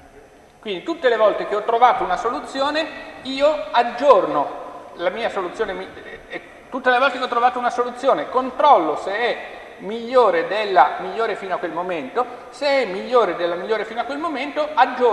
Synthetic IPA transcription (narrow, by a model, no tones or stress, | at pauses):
kwind̪it̪ut̪ːelevɔlt̪ek̟eɔt̪ːɾovaːt̪ounasolut̪sːjoːneiːoad͡ʒːornolamiːasolut̪joːnemi | t̪ut̪ːelevɔlt̪ekeɔt̪ːɾovaːt̪ounasolut̪sːjoːnekont̪ɾɔlːoseɛ | miʎːoːɾed̪elːamiʎːoːɾefiːnoakːwelmoment̪o | seɛmːiʎːoːɾed̪elːamiʎːoːɾefiːnoakːwelmoment̪oad͡ʒːo